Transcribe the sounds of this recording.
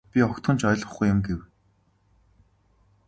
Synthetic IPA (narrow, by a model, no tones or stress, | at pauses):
pʲiɔkt̪ə̆nt͡ɕʰɔjɮʁə̆χɡujʊ̆mɡew